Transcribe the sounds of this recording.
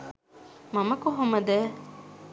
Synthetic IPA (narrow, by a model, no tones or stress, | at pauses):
mɐmɐkuɦomɐd̪ɛː